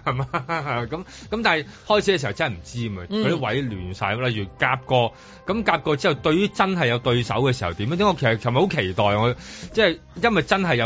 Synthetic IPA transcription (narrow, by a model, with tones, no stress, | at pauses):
hɐ˨jmaː˧kɐ˨˦mkɐ˨˥mt̪aː˨nɦɐ˨˩jhɔː˥jt͡sʰiː˨˥ɛ˧si˨ɐ˨˩wt͡sɐ˥hɐ˨˩m̩˨˩t͡siː˥˧mɐ˧kʰːe˨˧˥wɐ˨˥jlyː˨˩nsa̰ː˨˧jlɐ˨jyː˨˩kaː˧p̚kɔː˧ | kɐ˨˥mkaː˧p̚kɔː˧t͡siː˥˨wt̪ɵ˧ɥjyː˥t͡sɐ˥nɦɐ˨˩jːɐ˨˧wt̪ɵ˧ɥsɐ˨˥wkɛː˧siː˨˩hɐ˨wt̪i˨˥mjːt̪ɛ˥ŋɔː˧kʰsɐ˨hjmɐ˩jho˨˥wkʰe˨˩jt̪ɔː˨jŋɔː˨˧t͡sɛː˥˨ | jɐ˥nwɐ˨jt͡sɐ˥nɦɐ˨jːɐ˨˧